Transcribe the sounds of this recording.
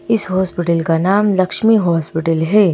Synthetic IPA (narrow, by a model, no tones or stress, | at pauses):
ɪsɦoːspɪʈəlkanaːmlɐkʃmiɦoːspɪʈəlɦɛː